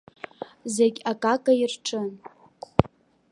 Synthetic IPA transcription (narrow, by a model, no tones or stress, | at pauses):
zeɡʲakʼakʼairʈ͡ʂʼɨn